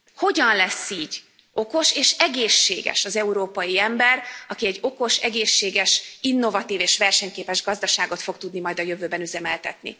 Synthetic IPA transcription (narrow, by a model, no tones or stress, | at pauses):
ho̞ɟɒnlɛsːiːɟ | o̞ko̞ʃeːʃɛɡeːʃːḛːɡɛ̰ʃɒzɛuɾoːpɒjiɛmbɛrɒkiɛɟːo̞ko̞ʃɛɡeːʃːeːɡɛʃinːo̞vɒt̪iːveːʃʋɛrʃɛɲkeːpɛʒɡɒzd̪ɒʃaːɡo̞t̪fo̞k̚t̪ud̪nimɒjd̪ɒjø̞vøːbɛnyzɛmɛlt̪ɛt̪nḭ